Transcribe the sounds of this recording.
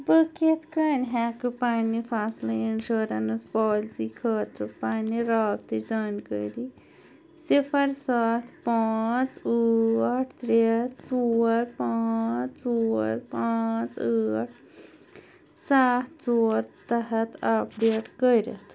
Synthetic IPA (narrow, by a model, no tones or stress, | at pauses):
bəket̪ʰkəːnɦakɨpanipʰaːslainʃoːɾɐnɨspɔːlsikʰəːt̪ɾɨpaːniɾaːb̚t̪id͡zaːnkəɾi | sifʰɐɾsaːt̪ʰpaːt͡səʈʰt̪ɾet̪t͡soːɾpaːt͡st͡soːɾpat͡səːʈ̚ʰ | saːt̪ʰt͡soːɾt̪ɐɦɐt̪ʰapʰɖeʈkəjɾɐ̰t̪ʰ